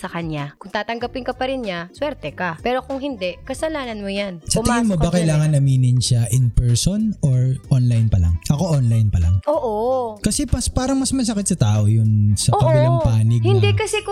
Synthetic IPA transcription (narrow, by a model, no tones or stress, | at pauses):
sɐkɐnɲakʊŋt̪aːt̪ɐŋɡɐpɪŋkɐpɐɾɪnɲaswɛɾt̪ɛkɐpɛːɾo̞kʊŋɦɪnd̪ɛʔkɐsɐlaːnɐnmojansɐɪɡɪnmobɐkɐjlaːŋɐnʔɐmiːnɪnʃaʔɪnpɛɹsonoɹʔonlajnpɐla̰ŋʔɐko̞ʔonlajnpɐla̰ŋʔoːʔokɐsɛpɐspaːɾɐŋmɐsmɐsɐkɪt̪sɐt̪aːʔo̞jʊnsɐokɐnɪlaŋpaːnɪɡ̚hɪnd̪ɛkɐsɛk